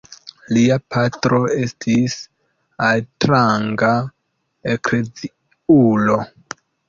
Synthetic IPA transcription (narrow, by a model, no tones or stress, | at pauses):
liapʰatɾo̞e̞stʰis | altɾaŋɡa | ekɾe̞d͡zi | ulo̞